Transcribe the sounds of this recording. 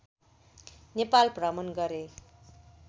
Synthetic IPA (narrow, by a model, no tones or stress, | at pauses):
nepalprʌmʌnɡʌɾe